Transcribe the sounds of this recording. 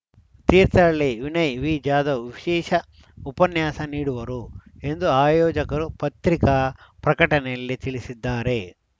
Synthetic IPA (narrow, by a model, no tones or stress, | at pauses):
t̪iːɾt̪ɐɭːeʋinɐjʋiːd͡ʒaːd̪ɐʋiʃɛːʃɐ | upɐnjaːsɐniːɽuʋɐɾue̞nd̪uaːjɔːd͡ʒɐkɐɾupɐt̪ɾikɐpɾɐkɐʈɐnɛjɐlːit̪iɭisid̪ːaːɾe̞